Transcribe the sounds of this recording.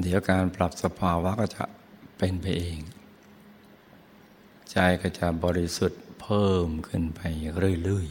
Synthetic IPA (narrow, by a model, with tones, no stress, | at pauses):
d̪i˨˦əwkaː˧npɾla˨˩p̚sa˧pʰaː˧waː˦˥˩kɔː˥˩t͡ɕa̰˨˩ʔ | pe˧npa˧jʔeː˧ŋ | t͡ɕa˧jkɔː˥˩wt͡ɕa˨˩ʔbɔː˧ɾi˦su˨˩t̪̚pʰɤː˥˩mkʰɯ˧˩˨npa˧jɾɯ˥˩ə˨lɯ˥˧˩əj